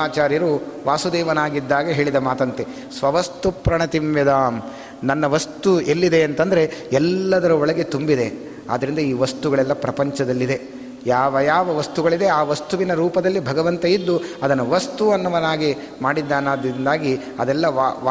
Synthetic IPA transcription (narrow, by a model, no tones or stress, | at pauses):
aːt͡ʃaːɾjɐɾuʋaːsud̪ɛːʋɐnaːɡid̪ːaːɡɐɦe̞ːɭid̪ɐmaːt̪ɐnt̪e | sʋɐʋɐst̪upɾɐɳɐt̪imʋɐd̪aːm | nɐnːɐʋɐst̪uelːid̪e̞ːnt̪ɐnd̪ɐɾe̞ɛlːɐd̪ɐɾɐɔɭɐɡe̞t̪umbid̪e̞ | a̰ːd̪ːɐɾind̪ɐiːʋɐst̪uɡɐɭɛlːɐpɾɐpɐɲt͡ʃɐd̪ɐlːid̪e̞ | jaːʋɐjaːʋɐʋɐst̪uɡɐɭid̪e̞aːʋɐst̪uʋinɐɾuːpɐd̪ɐlːibʱɐɡɐʋɐnt̪ɐjid̪ːuɐd̪ɐnɐʋɐst̪uɐnːɐʋɐnaːɡi | maːɽid̪ːaːnaːd̪ɾind̪aːɡi | ɐd̪ɛlːɐʋʋ